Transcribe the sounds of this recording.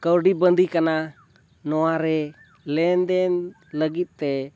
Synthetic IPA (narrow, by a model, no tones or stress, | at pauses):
kəwɖibənd̪ʱikana | nɔwaɾɛ | lɛnd̪ɛn | ləɡit̪̚t̪ɛ